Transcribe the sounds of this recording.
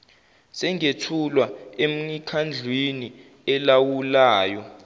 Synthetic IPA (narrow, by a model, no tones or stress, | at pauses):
sɛŋetʰulwaem̩nikʰand͡ɮʱweni | ɛlawulaːjɔ